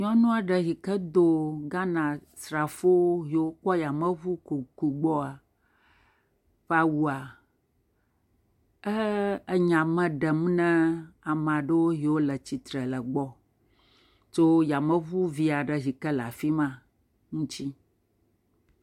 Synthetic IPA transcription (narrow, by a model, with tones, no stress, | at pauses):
ɲɔ̃˦nũ˦a˨ɖə˨ɦi˨kə˦d̪o˦ɡa˦nã˨ | sɾa˨fo˦ɦi˨wo˦k͡pɔ˦ja˨mə̃˦vu˦ku˨ku˨ɡ͡bɔ˦a˨ | ɸa˦wu˨a˨ | ə˦ə˦ɲã˨mɛ̃˨ɖə˨m˦nɛ̃˦a˨m˨ã˨ɖə˦wo˦ɦi˨wo˦lə˨t͡ɕi˨t̪ɾə˨lə˨ɡ͡bɔ˦ | t̪o˦ja˨mə̃˦vu˦vi˦a˨ɖə˨ɦi˨kə˦la̰˨fi˦mã˦ | ŋũ˦t͡ɕi˦